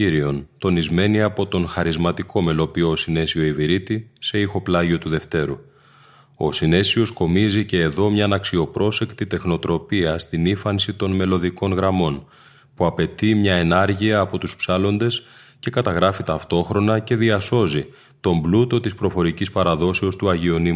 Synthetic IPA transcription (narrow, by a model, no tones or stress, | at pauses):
iɾio̞nt̪o̞nizme̞niɐpo̞t̪o̞nxɐɾizmɐt̪ikʰo̞me̞lo̞pioːsine̞sio̞iviɾit̪ise̞ixo̞plɐʝio̞t̪uðe̞ft̪e̞ɾu | o̞̰sine̞sio̞sko̞mizice̞ːðo̞mɲɐnɐksio̞pɾʔo̞se̞kt̪it̪e̞xno̞t̪ɾo̞piɐst̪inifɐnsit̪o̞nme̞lo̞ðiko̞nɣɾɐmo̞n | puɐpe̞t̪imɲɐe̞nɐɾʝiɐːpo̞t̪uspsɐlo̞nd̪e̞s | ce̞kɐt̪ɐɣɾɐfit̪ɐft̪o̞xɾo̞nɐce̞ðiɐso̞zi | t̪o̞mblut̪o̞t̪ispɾo̞fo̞ɾicispɐɾɐðo̞se̞o̞st̪uɐʝio̞nimu